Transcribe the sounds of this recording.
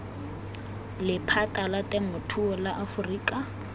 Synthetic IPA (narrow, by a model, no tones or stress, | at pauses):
lɪpʰatʼalatʼɛmʊtʰuɔlaʔafʊriːkʼa